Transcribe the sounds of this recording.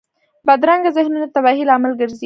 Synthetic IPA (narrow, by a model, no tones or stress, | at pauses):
bad̪ɾaŋɡazɪhnunat̪abɑɦilɑmalɡəɾzi